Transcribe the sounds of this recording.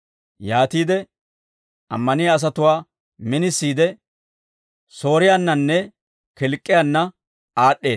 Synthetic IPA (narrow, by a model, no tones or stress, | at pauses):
jaːt̪iːd̪ɛ | ɐ̰mːɐnɪjɐs̬ɐt̪ʊwaː | mɪnɪsːiːd̪ɛ | so̞ːɾɪjanːɐnːɛ | kɛlkʼːɪjɐnːɐ | aːɗːe̞ːs